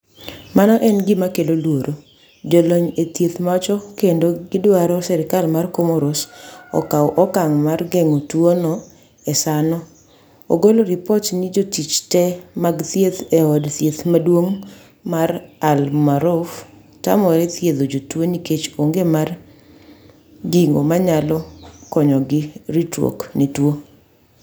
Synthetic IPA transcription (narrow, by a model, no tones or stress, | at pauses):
manɔʔɛnɡɪmakelolwoɾʔo | d͡ʒoloɲet̪jet̪mat͡ʃɔkendoɡɪdwaɾɔsɛɾɪkalmarkomoɾosɔ̰kawʔɔkaŋmarɡeŋotwonɔ | ɛsanɔ | o̰ɡoloɾɪpɔtnid͡ʒotit͡ʃtɛmaɡt̪jet̪ɛɔdt̪jet̪madwoŋ | maɾalmaɾof | ta̰mɔɾɛt̪jed̪od͡ʒotwoniket͡ʃoŋɡemar | ɡiŋɡo̰maɲalɔkɔɲɔɡɪɾitɾo̰knetwo